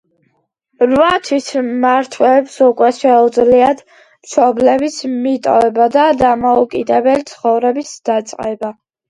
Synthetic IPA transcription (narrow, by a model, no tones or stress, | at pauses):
ɾvat̪ʰwisʰmaɾt̪ʰwɛɛpsukʼwɛʃɛud̪zliad̪ | mʃɔblɛbismit̪ʼɔ̰vɛbad̪ad̪amɔukʼid̪ɛbɛlit̪sʰχɔvɾɛbisd̪̥at̪sʼqʼɛba